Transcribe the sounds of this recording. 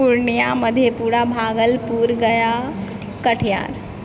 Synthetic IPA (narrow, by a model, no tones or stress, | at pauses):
uɾnijaməd̪ʱjepuːɾabʱaːɡəlpuːɾɡəja | kəʈʰja̰ːɾ